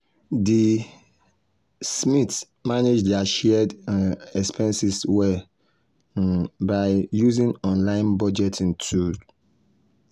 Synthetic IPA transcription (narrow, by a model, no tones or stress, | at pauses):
di | smit | maned͡ʒdaʃɛdɛkspʰɛ̃nsiswɛ | baɪjuzĩnɔ̃nlãɪ̃nbɔd͡ʒɛtʰĩntʰud